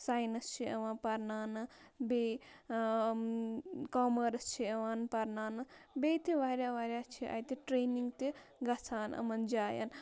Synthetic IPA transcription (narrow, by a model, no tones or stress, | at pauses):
saːjnɐst͡ʃʰiɐʋãːnpɐɾnaːnɨbe | kɔːmɐɾɐst͡ʃʰiɐʋaːnpɐɾnaːnɨbet̪eʋaːɾʲjaːʋaːɾʲjaːt͡ʃʰiʔa̰jt̪eʈɾeːniŋɡt̪eɡɐt͡sʰaːnʔɐ̰mɐnd͡ʒaːja̰n